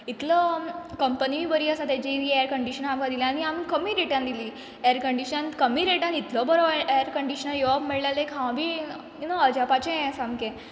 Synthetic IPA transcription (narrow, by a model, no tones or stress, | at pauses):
it̪ləkəmpəniʋibəɾiːəsat̪ɛd͡ʑiiejəɾkəɳɖiɕənamkãd̪ilãaniamikəmiɾeʈãnd̪ili | eəɾkəɳɖiɕənkəmiɾeʈãnit̪lɔbəɾoeəɾkəɳɖiɕənajɔabmeɭlalekʰãbʱiː | nəəd͡ʑapat͡ɕẽsamkẽ